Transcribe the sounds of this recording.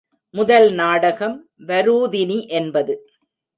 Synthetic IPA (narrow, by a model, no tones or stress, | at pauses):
mʊðɐlnaːɽɐɣɐm | ʋɐɾuːðɪniʔɛnbɐðɯ